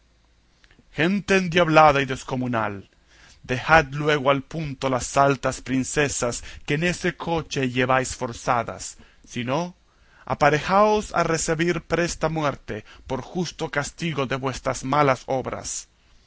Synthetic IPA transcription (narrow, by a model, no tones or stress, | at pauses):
xe̞nt̪eːnd̪jaβlaðaiðe̞sko̞munal | d̪e̞xat̪lwe̞ɣoalpunt̪o̞lasːalt̪aspɾinse̞saskeːne̞se̞kʰo̞t͡ʃe̞ʝeβajsfo̞ɾsaða̰sː | ino̞ | a̰paɾexaosa̰re̞seβiɾpɾe̞st̪amwe̞ɾt̪epo̞ɾxust̪o̞kast̪iɣo̞ðe̞βwe̞st̪ɾazmalaso̞βɾa̰s